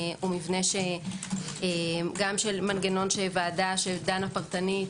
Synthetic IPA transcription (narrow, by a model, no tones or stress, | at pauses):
umivneʃe | eɡamʃelmanɡeno̞nʃevaːdaʃed̪anapaʁt̪anit